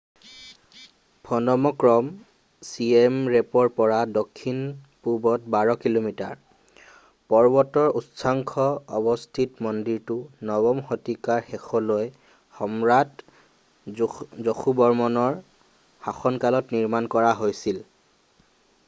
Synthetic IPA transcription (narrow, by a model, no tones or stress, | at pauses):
bʰʱɔnɔmɔkɹɔm | siemɹepɔdpɔɹadokʰːin | pubɔt̚baɹɔkilomita̰ɹ | pɔɹbɔtɔɹutsʰaŋkʰɔɔbɔstʰitmɔndiɹtʊnɔbɔmxɔtikaɹxɛxʰɔloj | xɔmɹat | zoxʰubɔɹmɔnɔɹ | haxɔnkalɔtniɹmankɔɹaɦojsil